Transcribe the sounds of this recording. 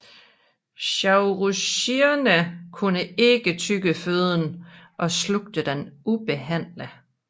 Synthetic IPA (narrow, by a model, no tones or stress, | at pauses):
ɕɑʊʁuɕiɐnəkʰunəe̝ɡ̥ət͡sʰyɡ̥əføð̞ˠn̩ʔɒ̽sloɡ̥̚d̥əd̥enʔub̥e̝ɦæn̰lə